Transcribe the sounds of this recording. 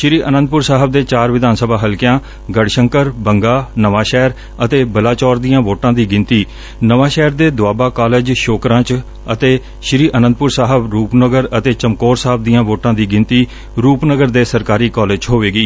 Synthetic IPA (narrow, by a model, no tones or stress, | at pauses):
ʃɾiːʔənə̃nd̪̚pʊɾsaːɦəb̚d̪eːt͡ʃaːɾʋɪd̪aːnsəbaːɦəlkjãː | ɡəɽʃəŋkəɾbəŋɡaːnəʋaːʃɛːɾ | ət̪eːbəlaːt͡ʃɔːɾd̪ijãːʋoːʈãːd̪iːɡɪ̃nt̪iː | nəʋaːʃɛːɾd̪eːd̪ʊaːbaːkaːled͡ʒʃoːkɾãːt͡ʃ | ət̪eː | ʃɾiːʔənə̃nd̪̚pʊɾsaːɦəbɾuːpnəɡəɾət̪eːt͡ʃəmkoːɾsaːəb̚d̪ijãːʋoːʈãːd̪iːɡɪ̃nt̪iː | ɾuːpnəɡəɾd̪eːsəɾkaːɾiːkɔːleːd͡ʒɦoːʋeːɡiː